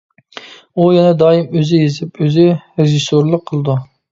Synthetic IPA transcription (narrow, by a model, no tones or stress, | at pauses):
ujɛnɛd̪ɑːjimøzɪjezɪpøzɪɾeʒisoɾlˠəqʰːəlˠɨd̪u